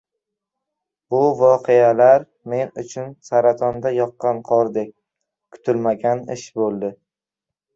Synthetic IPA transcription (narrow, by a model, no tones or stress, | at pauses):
bʊvɒqʰealaɾ | me̞nʊt͡ʃʰʊnsaɾat̪ʰɒnd̪ajɒqːɑnqʰɒɾd̪ekʲ | kʰʊ̥t̪ʰʊlmaɡʲanɪʃbolˠd̪ɪ